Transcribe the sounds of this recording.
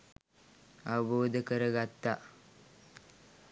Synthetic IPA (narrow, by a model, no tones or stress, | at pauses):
aʋəboːd̪əkəɾəɡat̪ːa